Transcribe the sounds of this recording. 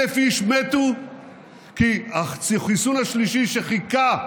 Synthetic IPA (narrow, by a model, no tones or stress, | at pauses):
efiiʃmet̪u | kiasχisunhaʃliʃiʃeχika